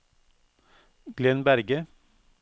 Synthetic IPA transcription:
ɡ̥lɛnbæɾɡə

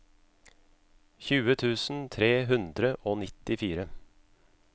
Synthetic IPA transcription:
çʉːət̪ʰʉːsn̩t̪ʰɾeːɦʉnd̪ɾəʔoːnɪt̪ɪfiːɾə

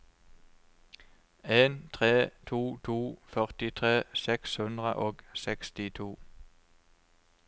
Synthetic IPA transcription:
eːnt̪ʰʁeːt̪ʰuːt̪ʰuːfœʁt̪ɪt̪ʰʁeːsɛkshʉnd̪ʁə̰ʔoːɡsɛkst̪ɪt̪ʰuː

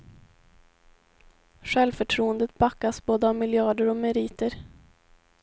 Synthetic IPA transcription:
ɧɛlvfœʈʰɾuːənd̪ət̪̚bakːasboːd̪əavmɪljɑːɖəɾɔmɛɾiːt̪əɾ

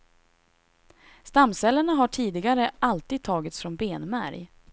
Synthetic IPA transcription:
st̪amːsɛlːəɳaɦaʈʰiːd̪ɪɡaɾəʔalt̪iːd̪̚t̪ʰɑːɡɪt̪sfɾɔmbeːnmæ̰ɾj

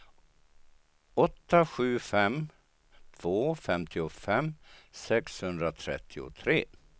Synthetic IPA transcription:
ɔt̪ːaɧʉ̟ːfɛm | t̪ʰv̥oːfɛmt̪ʰɪʊfɛmsɛkshɵnd̪ɾat̪ʰɾɛ̰t̪ʰːɪʊ̰t̪ʰɾeː

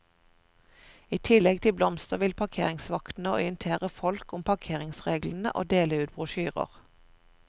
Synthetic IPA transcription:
iːt̪ʰɪlɛɡ̚t̪ʰɪblɔmst̪əʁʋɪlpʰɑkʰḛːʁɪŋsʋɑkt̪n̩əɔʏənt̪ʰeːʁəfɔlkʊmpʰɑʁkʰeːʁɪŋsʁeːɡln̩ə̰ʔo̰ːd̪eːləʉːt̪̚bʁʊʃyːʁə̰ʁ

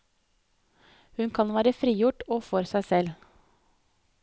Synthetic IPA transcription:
hʉnkʰɑnʋæːɾəfɾiːjʊʈoːfɔɾsæɪsɛl

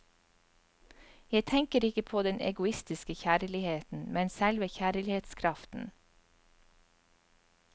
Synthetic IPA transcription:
jæɪt̪ʰɛŋkəɾɪkəpʰoːd̪ɛnɛ̰ɡʊɪst̪ɪskəçæːɾlɪheːt̪n̩mɛnsælʋəçæːɾlɪheːt̪skʰɾɑft̪n̩

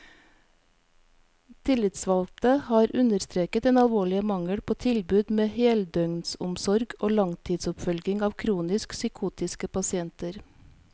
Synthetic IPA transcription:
t̪ʰɪlɪt̪sʋɑlt̪əhɑːɾʔʉnəɾst̪ɾeːkət̪eːnɑlʋoːɭɪəmɑŋəɽpʰoːt̪ʰɪlbʉːd̪meːheːld̪œŋnsʊmsɔɾɡoːlɑŋt̪ʰiːd̪sʊpfœlɡɪŋɑːʋkʰɾuːnɪsksʏkʰuːt̪ɪskəpɑsɪɛnt̪əɾ

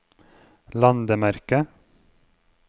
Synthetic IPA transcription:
lɑnd̪əmæɾkə

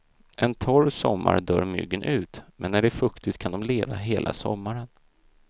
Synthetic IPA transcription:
ʔɛnt̪ʰɔɾsɔmːa̰ɾɖ̪œːɾmʏ̰ɡːənʔʉ̟ːt̪mʔɛnːæɖɛfɵkt̪ɪt̪kʰand̪ɔmleːvaɦeːlʔa̰sɔ̰mːaɾən

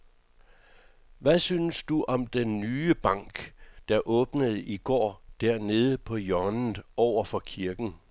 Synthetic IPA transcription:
ʋæsyːnəsd̥uʔɒ̽md̥enːyːəb̥ɑ̈ŋ̰ɡ̥d̥ɑ̈ʔɔ̽ːb̥nəð̞̩ˠiɡ̥ɒ̰ːd̥æɐ̰ne̝ːð̞ˠəpʰɒ̽jɒnn̩ɒʊ̰ɐfɒ̽kʰiɐɡ̥n̩

